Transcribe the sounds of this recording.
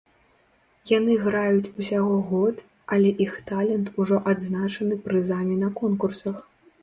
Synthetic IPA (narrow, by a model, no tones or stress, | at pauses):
janɨɣɾajut͡sʲusʲaɣɔɣɔt̪ | ɐlʲɛʔixt̪alʲɛnt̪uʐɔʔad̪znat͡ʂɐnɨpɾɨzamʲinɐkɔnkursɐx